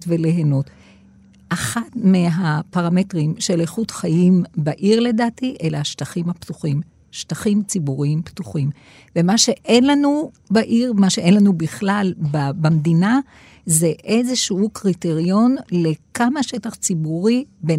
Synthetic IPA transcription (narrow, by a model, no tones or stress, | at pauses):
tveleɦenot | ʔaχatmeɦapaʁame̞tʁimʃeleχutχajimbaʔiʁle̞daːtiʔe̞laaʃtaχimhaptuχim | ʃtaχimt͡sibuʁiimptuχim | vemaʃe̞ʔenlanubaʔiʁmaʃeʔenlanubiχlalbabamd̪ina | zeʔe̞zeʃuukʁiteʁijo̞nle̞kamaʃe̞taχt͡sibuʁibe